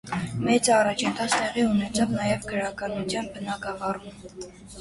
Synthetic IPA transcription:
mɛt͡sɑrɑt͡ʃʰənt̪ʰɑt͡st̪ɛʁiunɛt͡sʰɑvnɑjɛvɡəɾɑkɑnut͡sʰjɑnbənɑɡɑvɑɾum

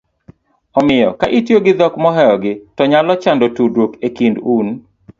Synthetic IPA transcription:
ɔmɪjɔ̰kaʔɪtjoɡɪd̪ɔkmɔɦɛjɔɡɪtɔɲalɔt͡ʃandɔtudokekindun

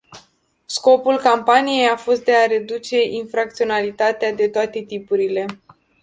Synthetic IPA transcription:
sko̞pulkampanije̞jafo̞st̪̚d̪e̞aɾe̞d̪ut͡ʃe̞ʔinfɾak̚t̪sio̞nalit̪at̪ead̪e̞t̪oat̪e̞t̪ipuɾile̞

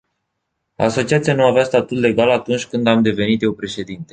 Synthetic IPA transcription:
a̰so̞t͡ʃiat̪sijanuaveast̪at̪ut̪le̞ɡalat̪unt͡ʃʲkɨnd̪amd̪e̞ve̞nit̪je̞wpɾe̞ʃe̞d̪int̪e̞

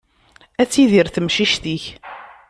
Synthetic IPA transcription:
æt͡sːiðiɾθəmʃiʃt̪iç

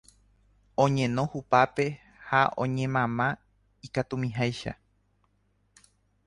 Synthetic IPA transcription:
õ̞ɲẽ̞nõ̞hupape̞ | haʔõ̞ɲẽ̞mãmã | ikat̪umĩɦajʃa̰

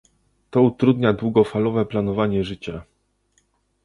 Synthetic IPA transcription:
t̪ɔut̪ɾud̪ɲad̪wuɡɔfalɔvɛplanɔvaɲɛʐɘt͡ɕa

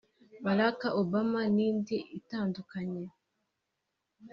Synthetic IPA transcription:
maɾakaʔobamaniːndiʔitaːndukaɲe

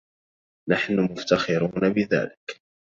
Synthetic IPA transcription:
naħnʊmʊft̪axɪɾuːnabɪða̰ːlɪk

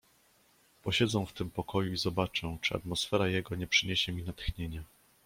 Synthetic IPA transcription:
pɔɕɛd̪zɛw̃ft̪ɘmpɔkɔjuizɔbat͡ʂɛ̃t͡ʂɨa̰t̪mɔsfɛɾajɛɡɔɲɛpʂɘɲeɕɛmʲinat̪xɲeɲɛ

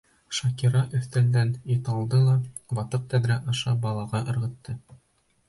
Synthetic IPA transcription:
ʃɑkiɾɑʔɵ̆θt̪æld̪ænit̪ɑlˠd̪ɤlˠɑbɑt̪ɤq̚t̪æðɾæʔɑʃɑbɑlˠɑʁɑʔɤ̆ɾʁɤ̆t̪ːɤ

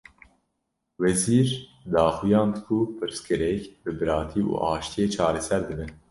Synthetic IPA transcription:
wɛziːɾd̪ɑːxujɑ̃ːnd̪ɨkʰupʰɨɾskɨɾɛkbɨbɨɾɑːt̪ʰiːṵːʔɑːʃt̪ijeːt͡ʃʰɑːɾɛsɛɾd̪ɨbɛ

